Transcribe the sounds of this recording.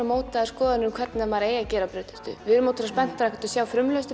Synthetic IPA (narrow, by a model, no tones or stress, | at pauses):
amoːwt̪aðɾskɔːðaɪnʏmkʰv̥ɛɾt̪namaːɾaeːjacɛːɾapɾʏːt̪ɪ̥st̪ʏ̰vɪðɪɾmoːwt̪ɪɾaspɛn̥t̪aɾakɛ̥ɾt̪ʏ̥sjaːwfɾʏmlœst̪ɪ